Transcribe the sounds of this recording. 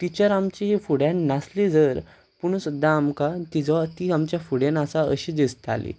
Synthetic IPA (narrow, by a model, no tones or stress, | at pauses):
t̪it͡ɕəɾamt͡ɕiɦifuɽ̤jãnːaslid͡zəɾ | puɽ̃ũsud̪ʱaːmkat̪id͡zɔt̪iamt͡ɕjafuɽjanasaəɕiːd̪ist̪ʰa̰lḭ